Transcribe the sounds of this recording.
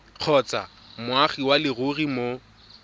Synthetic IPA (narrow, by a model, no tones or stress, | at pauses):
q͡χʰɔt͡sʼa̰ | mʊaχiwalɪɣʊrimo